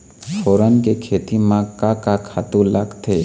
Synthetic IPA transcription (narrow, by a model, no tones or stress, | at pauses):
foːɾənkekʰeːt̪imãkakakʰaːt̪ulɐɡt̪ʰeː